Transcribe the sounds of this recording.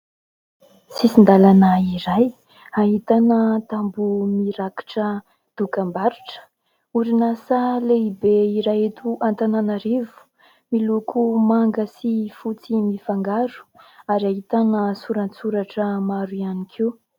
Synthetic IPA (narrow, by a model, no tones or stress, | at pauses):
sisind̪alanəiɾaj | aɦit̪anət̪ambumiɾaki̥ʈ͡ʂə | d̪̥ukambaɾuʈ͡ʂə̥ | uɾinasaleibeiɾajet̪uʔant̪ananaɾivu̥ | milukumaŋɡəsifut͡simifaŋɡaɾu̥aɾiaɦit̪anəsuɾant͡suɾaʈ͡ʂəmaɾuianikʰiw